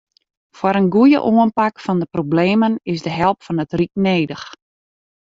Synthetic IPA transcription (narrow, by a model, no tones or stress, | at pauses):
fwaɾənɡujə̰ʔoənpakfɔndəprobleːmənɪsdəɦɛlˠpfɔnətrik̚neːdəx